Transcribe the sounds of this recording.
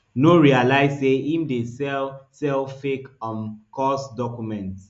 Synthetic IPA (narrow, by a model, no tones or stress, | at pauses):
noɹialaɪzseimdesɛlsɛlfekɔ̃nkɔsdɔkjumɛ̃nt